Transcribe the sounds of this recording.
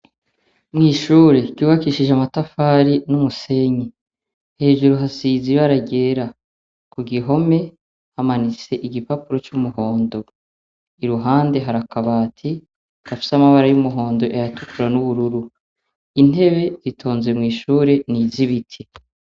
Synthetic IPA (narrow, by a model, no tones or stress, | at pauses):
mŋiːʃuːɾe̞ɟuːβakiʃiʒamatafaːɾinumuse̞ɲi | he̞ːʒuɾoɦasiziβaɾaɟe̞ːɾa | kuɡiɦo̞me̞ | hamanit͡se̞ʔiɟipapuɾo̞t͡ʃumuɦo̞ːndo̞ | iɾuɦaːnde̞ɦaɾakaβaːtʰi̥ | afi̥samaβaɾajumuɦo̞ːndo̞ʔejatukuɾanuβuɾuɾu | in̥e̞βe̞zitʰo̞ːnze̞mŋiːʃuːɾe̞niziβitʰi